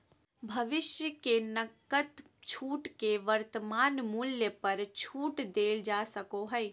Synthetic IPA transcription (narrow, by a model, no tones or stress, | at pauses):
bʱɐʋɪʃjəkenəkːət̪ | t͡ʃʰuːʈkeʋəɾt̪əmaːnmuljəpɐɾt͡ʃʰuːʈd̪eːld͡ʒaːsəkoɦɛj